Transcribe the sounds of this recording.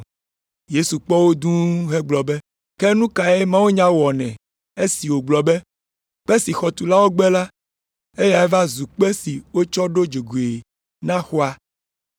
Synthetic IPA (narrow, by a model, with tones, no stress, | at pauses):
je˦su˨k͡pɔ˦wo˦d̪ũ˦ɦɛ˦ɡ͡blɔ˨bɛ˦ | kɛ˦nũ˦ka˨e˦mã˦wo˦ɲã˦wɔ˨nɛ̃˨ | e˦si˨wo˨ɡ͡blɔ˨bɛ˦ | k͡pɛ˦si˨xɔ˨t̪u˨la˦wo˦ɡ͡bɛ˦la˦ | e˦ja˨ɛ˦va˦zu˨k͡pɛ˦si˨wo˦t͡ʃɔ˦ɖo˦d͡ʒo˨ɡu˨e˨ | nã˦xo˦a˦